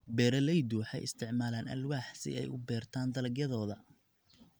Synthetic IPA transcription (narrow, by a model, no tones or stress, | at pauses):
bɛːɾɐlɛjd̪uːħɛ̰jɪ̰st̪ʰɪʕmaːlaːnɐ̰lwaːħsɪ̰ɛ̰jʊbɛːrt̪ʰaːnd̪ɐlɐɡjɐðɔːðɐ